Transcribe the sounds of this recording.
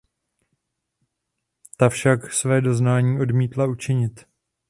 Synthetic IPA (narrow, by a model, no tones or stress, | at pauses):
t̪afʃaksvɛːdo̞znaːɲiːo̞dmiːt̪laut͡ʃɪɲɪt̪